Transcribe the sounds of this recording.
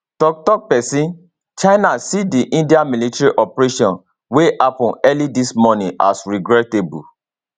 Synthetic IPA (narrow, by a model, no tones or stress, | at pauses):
tɔk̚tɔk̚pɛsĩn | t͡ʃaɪnasidiʔĩndiamilitaɹiʔɔpɹeʃɔ̃n | weʔapɔ̃nɛlidismɔnĩʔasɹiɡɹɛtebṵ